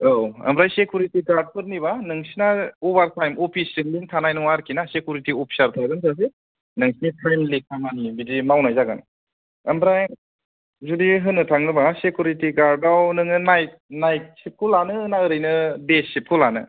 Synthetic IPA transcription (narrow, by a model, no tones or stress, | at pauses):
owɐ̰mbɾajsekʰjuɾitiɡaɾd̚pʰɯɾnibanɯŋsinaɔbaɾtʰajmopʰisinliŋtʰanajnɯŋwaɾkʰinasekʰjuɾitiopʰi̥saɾtʰaɡɯnsʰas̬e | nɯŋsinitʰajmlik̚tʰamanibidimawnajzaɡan | ɐmbɾaj | zudiɦɯnɯtʰaŋnɯbasekʰjuɾitiɡaɾdawnɯŋɯnaj̚ | najt̚sip̚kʰulanɯːnaɯɾɯjnɯdesip̚kʰulanɯ̰